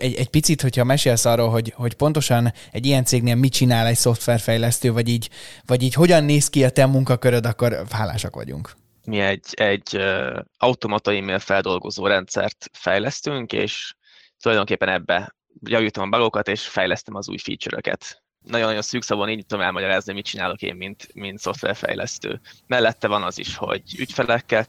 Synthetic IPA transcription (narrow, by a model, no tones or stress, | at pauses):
ɛɟɛɟ̚pit̪sit̪ho̞chɒmɛʃeːlsɒrːoːlɦo̞ɟho̞cpo̞nt̪o̞ʃɒnɛɟijɛnt̪seːɡneːlmit͡ʃinaːlɛcso̞ft̪ʋɛrfɛjlɛst̪øːvɒɟiːɟvɒɟiːcho̞ɟɒnːeːskiɒt̪ɛmːuŋkɒkøɾød̪ɒkːo̞rhaːla̰ːʃɒ̰kʋɒ̰ɟṵŋk | miɛɟːɛɟːøɒut̪omɒt̪ojimeːlfɛld̪o̞lɡo̞zoːɾɛnt̪sɛ̰rt̪fɛjlɛst̪yŋkḛːʃ | t̪ulɒjd̪o̞ŋkeːpːɛnɛbːɛ | jɒviːt̪ɒmɒbɒɡokɒt̪eːʃfɛjlɛst̪ɛmɒzṵːjfḭːt͡ʃøɾø̰kɛ̰t̪ | nɒɟonːɒjo̞nsyːksɒbuniːɟɛt̪ud̪mɛlmɒɟɒɾaːzniomit̪̚t͡ʃinaːlo̞kḛːmːint̪mint̪so̞ft̪vɛ̰rfɛ̰jlʔɛ̰st̪ø̰ːmɛlːɛt̪ːɛvɒnɒzḭʃho̞̰ɟycfɛlɛkːɛ